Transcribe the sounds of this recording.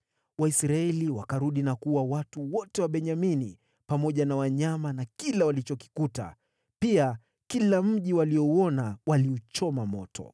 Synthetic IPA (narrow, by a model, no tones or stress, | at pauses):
waisɾaɛliwakaɾuɗinakuwawatuwɔtɛwaɓɛɲamini | pamɔʄanawaɲamanakilawalit͡ʃɔki̥kuta̰ | pia | kilam̩ʄiwalijɔuɔnawaliut͡ʃɔmamɔtʰɔ̰